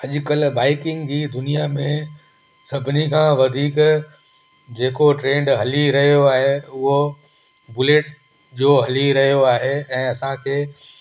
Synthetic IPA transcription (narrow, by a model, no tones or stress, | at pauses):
ɐʄʊkəlbaːɪkɪ̃ŋɡd͡ʑiːd̪ʊnijamẽ | sɐbʱɪnikʰãːʋɐd̪ʱiːk | d͡ʑeːkoʈɾẽːɳɖɦɐliɾɐɦijoaːɦeʊɦo | bʊleːʈ | d͡ʑoːɦɐliɾɐɦijoaːɦeɛ̃ːɐsãkʰeː